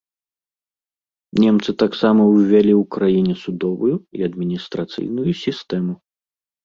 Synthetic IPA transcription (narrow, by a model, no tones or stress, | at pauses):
nʲɛmt̪sɨt̪aksamɐwvʲalʲiwkɾajinʲɛsud̪ɔvujuiɐd̪mʲinʲist̪ɾat̪sɨ̰jnujusʲist̪ɛmu